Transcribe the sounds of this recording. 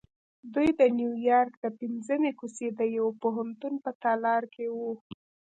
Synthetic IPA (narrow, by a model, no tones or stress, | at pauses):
d̪ujd̪ənjujɑɾkd̪əpɪnzəmekused̪əjawpoɦant̪unpət̪ɑlɑɾkʰewu